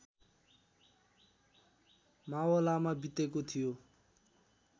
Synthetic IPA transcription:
mawʌlamabit̪ekot̪ʰijo

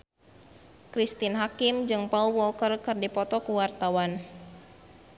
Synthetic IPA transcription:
kɾist̪inɦakimd͡ʒɨŋpaulwɔlkərkɨrdipɔt̪ɔkuwart̪awan

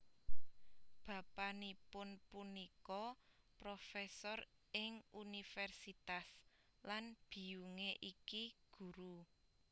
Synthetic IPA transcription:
b̥a̤panipʊnpunikɔpɾofɛsɔrɪŋunifɛrsit̪as | lanb̥i̤uŋeʔikiɡ̥ṳɾu

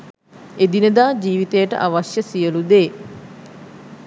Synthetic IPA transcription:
ed̪inəd̪aːd͡ʒiːʋit̪ejəʈə̰ʔaʋasjəsijəlud̪eː

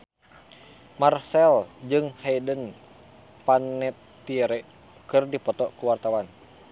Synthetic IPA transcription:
marsɛld͡ʒɨŋhɛdən | panːɛt̪ː | iɾɛ | kɨrdipɔt̪ɔkuwart̪awan

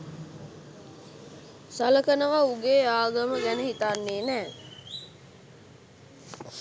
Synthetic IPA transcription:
saləkənəʋauɡeːaːɡəməɡænəɦit̪anːeːnæː

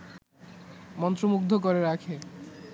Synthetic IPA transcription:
mɔnt̪ɾomuk̚d̪ʱok̬oɾeɾakʰe

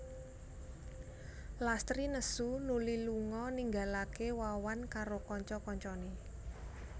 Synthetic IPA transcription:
last̪ɾinəsunuliluŋɔniŋɡalakewawankaɾokɔɲt͡ʃɔkɔɲt͡ʃɔne

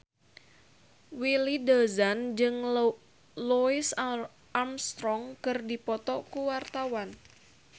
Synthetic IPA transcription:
wilidəzand͡ʒɨŋ | luis | amst̪ɾɔŋkɨrdipɔt̪ɔkuwart̪awan

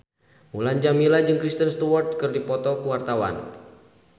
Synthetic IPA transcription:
muland͡ʒamilad͡ʒɨŋkɾist̪ənst̪uwɔrt̪̚kɨrdipɔt̪ɔkuwart̪awa̰n

